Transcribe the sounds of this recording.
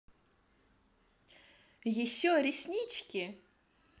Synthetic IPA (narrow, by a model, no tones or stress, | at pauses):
jɪɕːoɾʲɪsʲnʲit͡ɕkʲɪ